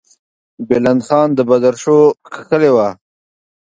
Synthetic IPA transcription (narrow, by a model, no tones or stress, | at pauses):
beland̪xɑːnd̪əbad̪aɾʃokʰaxəlewa